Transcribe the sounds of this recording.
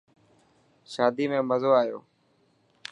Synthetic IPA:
ʃaːd̪iːmẽːməzoːaːɦjo̰ː

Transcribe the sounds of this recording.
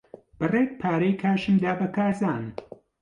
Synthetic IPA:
b̥ɨred̪̚pʰaːɾejkʰaːʃɨmd̪aːbɐkʰaːɾzaːn

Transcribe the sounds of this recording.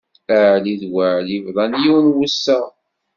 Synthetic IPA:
əʕliðwaʕlivðˤɑnjuwnwəsːæ

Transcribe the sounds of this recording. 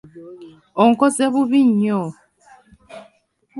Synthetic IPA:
oŋkozeβuβiɲːo

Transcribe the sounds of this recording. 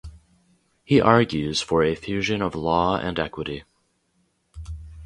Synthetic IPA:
hiʔɑɹɡjʉz̥fə˞ɨfjʉʒɨ̃nʌvlɔɨ̰̃nɛkwəɾi

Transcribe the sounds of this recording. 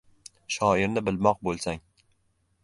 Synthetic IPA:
ʃɒɪɾnɪbɪlmɒq̚bolˠsaŋ

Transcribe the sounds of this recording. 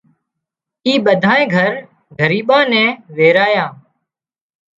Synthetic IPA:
iːɓəd̪ʱaːẽːɡʱəɾ | ɡʱəɾiːɓãːnɛ̃ːʋeːɾaːjãː

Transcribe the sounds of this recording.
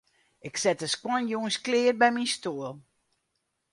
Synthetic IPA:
ɪksɛtəskwɔnjuːənsklɪːər̚bɛjminstuəlˠ

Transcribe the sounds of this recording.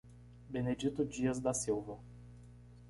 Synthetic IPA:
bened͡ʒit̪ʊd͡ʒiɐzd̪ɐsiwvɐ

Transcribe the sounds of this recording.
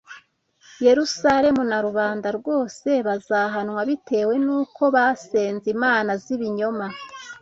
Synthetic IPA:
je̞ɾusaɾe̞munaɾuβaːndaɾɡo̞ːse̞βazaɦanwaβite̞ːwe̞nuːkʰo̞βase̞ːnzimaːnaziβiɲo̞ma

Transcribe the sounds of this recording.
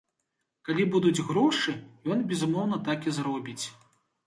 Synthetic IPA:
kalʲibud̪ud͡zʲɣɾɔʂɨjɔnbʲɛzumɔwn̪ɐt̪akizɾɔbʲit͡sʲ

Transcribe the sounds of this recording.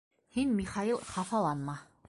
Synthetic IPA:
hinmʲiχɑilˠχɑfɑlˠɑnmɑ

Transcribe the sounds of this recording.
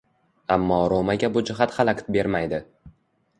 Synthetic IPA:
amːɒːɾomaɡʲabʊd͡ʒɪɦat̪χalˠakʲt̪be̞ɾmajd̪ɪ

